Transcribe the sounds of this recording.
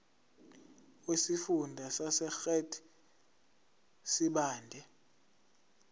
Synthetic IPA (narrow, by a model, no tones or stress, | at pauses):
wesifundʱasasɛxɛtʰi̥ | siɓaːndʱɛ